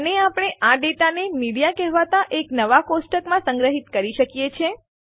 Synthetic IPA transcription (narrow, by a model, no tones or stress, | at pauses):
əneapɽ̃eʔaɖeʈanemiɽijakɛɦʋat̪aʔeknəʋakosʈəkmãsə̃ŋɡɾəɦit̪kəɾiʃəkjet͡ʃʰe